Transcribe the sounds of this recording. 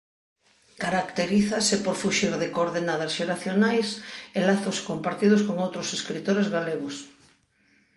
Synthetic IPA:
kaɾakt̪eɾiθasepoɾfuʃiɾðekoɾðenaðasʃeɾaθjonajselaθoskompaɾt̪iðoskoŋowt̪ɾoseskɾit̪oɾezɣaleɣos

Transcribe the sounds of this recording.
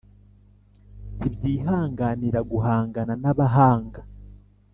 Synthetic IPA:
ibɟiːɦaːŋɡaniɾaɡuɦaːŋɡananaβaɦaːŋɡa

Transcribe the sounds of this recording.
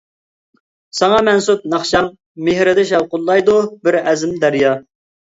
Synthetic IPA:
sɑŋɑmɛnsup̚nɑχʃɑm | mɪhɾɪd̪ɪʃɛwqʊlˠːɑjd̪ubɪɾɛzɪmd̪æɾjɑ

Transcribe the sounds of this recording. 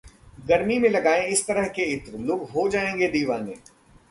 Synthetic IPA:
ɡɐɾmimẽlɐɡaːẽɪst̪ɐɾəɦkeɪt̪ɾlʊːɡɦod͡ʒaːẽːŋɡed̪iːʋãːnḛ̃ː

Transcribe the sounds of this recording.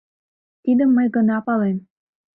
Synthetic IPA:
t̪id̪əmːəjɡənɑpɑlem

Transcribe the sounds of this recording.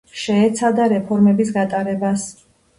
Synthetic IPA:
ʃɛːt̪sʰad̪aɾɛpʰɔɾmɛbis̬ɡat̪ʼaɾɛbas

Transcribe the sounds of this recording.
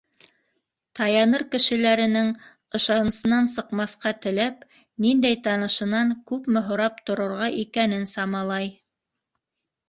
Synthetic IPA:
t̪ɑjɑnɤɾkɘ̆ʃɘ̆læɾɘ̆nɘŋ | ɤ̆ʃɑnɤ̆sɤ̆nɑnsɤ̆qmɑθqɑt̪ɘ̆læp | nind̪æjt̪ɑnɤ̆ʃɤ̆nɑŋkʉpmɘ̆ɦŏɾɑp̚t̪ŏɾɤ̆ɾʁɑʔikænɘnsɑmɑlˠɑj

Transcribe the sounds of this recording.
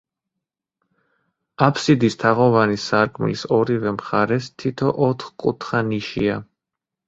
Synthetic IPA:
apʰsid̪ist̪ʰaʁɔvanisaɾkʼmḭlisɔɾivɛmχaɾɛst̪ʰit̪ʰɔʔɔt̪ʰχkʼṵt̪ʰχaniʃia

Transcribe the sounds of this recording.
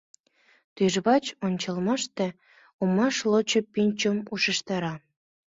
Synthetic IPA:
t̪yʒβɑt͡ɕonʲt͡ɕɑlmɑʃt̪ĕ | umɑʃlot͡ɕŏpinʲt͡ɕomuʃə̆ʃt̪ɑɾɑ

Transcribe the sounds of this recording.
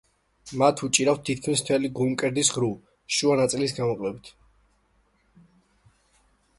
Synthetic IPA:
mat̪ʰut͡ʃʼiɾaftt̪ʰːit̪̚ʰkʰmist̪ʰɛliɡumkʼɛɾd̪isʁɾu | ʃuanat̪sʼilis̬ɡamɔqʼlɛbit̪ʰ

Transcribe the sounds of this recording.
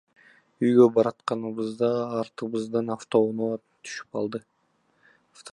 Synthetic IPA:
yjɡø̞bɑɾɑt̪qɑnɯβɯzd̪ɑːɾt̪ɯβɯzd̪ɯnaft̪o̞no | t̪ʰy̥ʃy̥p̚ɑlˠd̪ɯ | ft̪

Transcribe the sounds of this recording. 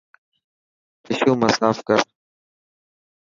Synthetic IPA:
pɪʃuːməsaːfkəɾ

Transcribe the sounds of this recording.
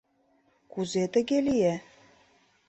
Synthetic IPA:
kuzet̪ə̆ɣelije

